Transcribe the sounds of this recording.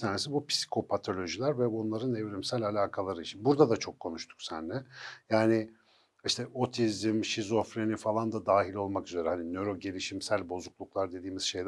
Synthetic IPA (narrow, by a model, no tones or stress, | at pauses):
t̪ʰaːne̞sibupʰi̥si̥kʰo̞pʰat̪ʰo̞lʲo̞ʒilʲæɾvɛbunlˠaɾɯnɛvɾimsælʲalʲaːkʰalˠaɾɯit͡ʃʰinbuɾd̪ad̪at͡ʃʰo̞kʰːo̞nuʃt̪ʰu̥ksænlɛjaːnɪ | iʃt̪ʰɛo̞t̪ʰizimʃizo̞fɾenifalˠand̪ad̪aːɦilʲo̞lˠmakyze̞ɾɛhaninøɾo̞ɟe̞lʲiʃimsælʲbo̞zuklˠuklˠaɾd̪e̞d̪iːmiz̥ʃe̞jd̪